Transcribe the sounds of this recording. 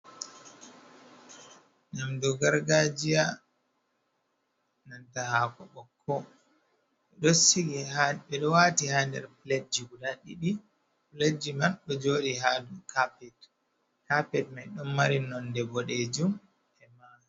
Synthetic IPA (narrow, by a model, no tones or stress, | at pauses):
ŋɡamdɔɡaɾɡad͡ʒija | nantahakɔ̰ɓɔkʰːɔ | ɓɛɗɔsiɡɛhaɓɛɗɔwatihandɛ̰ɾpled͡ʒiɡudaɗḭɗi | pled͡ʒimanɗɔd͡ʒoːɗihadukapɛt | kapɛt̚majɗɔmːaɾinɔndɛbɔɗed͡ʒum | ɛmaː